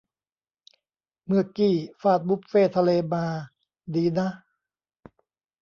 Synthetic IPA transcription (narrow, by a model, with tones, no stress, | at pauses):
mɯ˧˩ɐkiː˨˩faː˧˩t̪̚bu˦˥p̚feː˥˩t̪ʰa˧leː˧maː˧ | diː˧na˦˥